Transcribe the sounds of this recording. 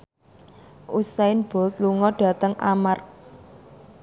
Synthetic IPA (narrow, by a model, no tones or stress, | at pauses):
ʔusaɪnb̥ɔ̤lt̪̚luŋɔɖ̥ä̤t̪əŋʔamar